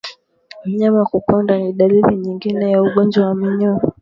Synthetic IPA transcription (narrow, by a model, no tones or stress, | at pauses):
m̩ɲamakupandaniɗaliliɲiŋɡinɛjauɠɔnd͡ʒwawamiɲɔ